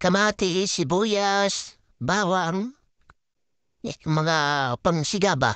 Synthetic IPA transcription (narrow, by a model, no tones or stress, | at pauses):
kamat̪isibujas | bawaŋ | maŋapaŋsiɡaba̰